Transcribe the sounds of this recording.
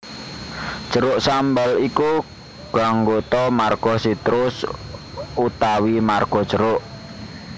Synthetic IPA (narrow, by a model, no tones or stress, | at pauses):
d̥ʒ̥ə̤ɾʊʔsambaliku | ɡ̥aŋɡot̪ɔmarɡ̥ɔsit̪ɾʊs | ut̪awimarɡ̥ɔ̤̥ʒ̥ə̤ɾʊʔ